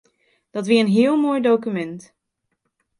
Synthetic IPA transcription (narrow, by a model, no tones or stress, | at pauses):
d̥ɑtʋɪːənɦɪːəlˠmoːjdowkymɛnt